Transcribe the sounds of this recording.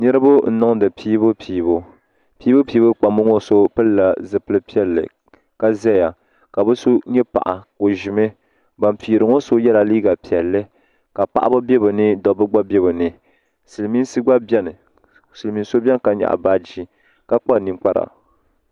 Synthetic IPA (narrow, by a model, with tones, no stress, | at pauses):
nɛ˦ɾɨ˦bʊ˦n̩˦nɔ˦ŋdɨ˨pʰiː˦bʊ˦pʰiː˨˦βo˦ | piː˦bʊ˦piː˦bʊ˦k͡pa˨mo˦ŋo˦so˦pɨ˦lla˨zɨ˨pɨ˦lɨ˦pi˦ɛ˦˨lːɨ̰˨ | ka˦zɛ˦˨ja˨ | ka˨bɨ˦so˦ɲɛ˦pa̰˨ʔa̰˨ko˨ʒi˨mɨ˦ | ba˨mpiː˨ɾɨ˨ŋo˦so˦jɛ˦la˨liː˦ɡa˨pi˨ɛ˨lːɨ˦ | ka˨pa̰˨ʔa˦bʊ˦bɛ˦bɨ˨nɨ˦dɔ˨bɨ˦ɡ͡ba˦bɛ˦bɨ˨nɨ˨ | sɨ˨lmi˦n˦sɨ˦ɡ͡ba˦bɛ˦nɨ˨ | sɨ˨lmi˨˦so˦bʲɛ˦n˨ka˨ɲa̰˨ʔa̰˨ba˦d͡ʒi˦ | ka˦k͡pa˦˨ni˨k͡pa˦ɾa̰˨